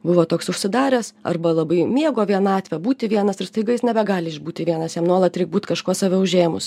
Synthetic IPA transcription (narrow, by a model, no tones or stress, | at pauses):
bʊʋoːt̪oːksʊʃʲsʲɪd̪ɑːɾʲɛsɐ̰rbɐlˠɐbɐɪmʲiɛɡoːʋʲiɛnɑːt̪ʲʋʲɛbuːt̪ʲɪʋʲiɛnɐsɪɾst̪ɐɪɡɐɪsnʲɛbʲɛɡɑːlʲɪɪʒbuːt̪ʲɪʋʲiɛnɐsjɛmnuɔlˠɐt̪ʲɾʲɛɪk̚buːt̪kɐʃkuɔsɑʋʲɛʊʒʲeːjmʊs